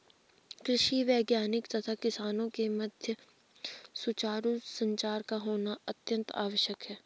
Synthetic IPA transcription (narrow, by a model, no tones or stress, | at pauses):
kɾɪʃiʋɛːɡjaːnɪkt̪ɐt̪ʰakɪsaːnõkemɐd̪ʱjə | sʊt͡ʃaːɾusə̃ɲt͡ʃaːɾkaɦoːnaɐt̪jə̃nt̪a̰ːʋəʃjəkɦɛː